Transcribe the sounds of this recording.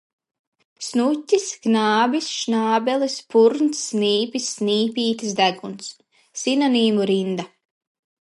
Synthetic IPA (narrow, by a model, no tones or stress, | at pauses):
snutʲːisɡnaːbʲisʃnaːbɛlˠispuɾnt̪sːniːpʲisːniːpʲiːt̪ɨs̬d̪æɡunsː | inaniːmuɾind̪a